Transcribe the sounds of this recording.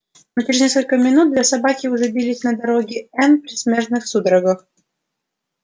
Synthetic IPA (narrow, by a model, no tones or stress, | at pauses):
not͡ɕɪɾʲɪznʲes̬kəlʲkəmʲɪnut̪̚d̪lʲasɐbakʲɪʊʐɛbʲilʲisʲnɐd̪ɐɾoɡʲɪɛnpɾʲɪsʲmʲeʐnɨxsud̪ɾəɡəx